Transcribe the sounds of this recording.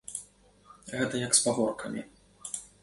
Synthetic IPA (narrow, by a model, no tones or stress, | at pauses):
ɣɛt̪ɐjɐkspavɔrkʰɐmʲḭ